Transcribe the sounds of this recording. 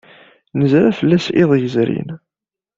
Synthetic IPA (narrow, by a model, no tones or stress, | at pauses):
nəzɾæfəlːæsɪðˤjəzɾḭn